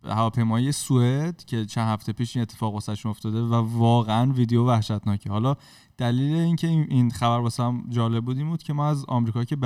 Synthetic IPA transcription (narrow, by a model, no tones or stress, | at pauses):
hævɒːpʰe̞jmɒːijesued̪̥cʰe̞t͡ʃʰænhæft̪ʰe̞piːʃiːne̞t̪ʰːe̥fɒːɣosæt̪ʃuno̞ft̪ɒːd̪e̞vævɒːɣeænviːd̪ejovæhʃæt̪nɒːcʰehɒːlɒː | d̪̥æliːle̞iːncʰeinxæbæɾbɒːsææmd͡ʒɒːle̞b̚buːd̪iːmbuːd̪̥̚cʰe̞mɒːæzɒ̰mɾiːkʰɒːcʰeb